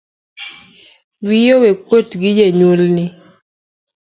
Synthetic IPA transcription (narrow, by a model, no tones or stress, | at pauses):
wijowek̚wotɡɪd͡ʒeɲulnɪ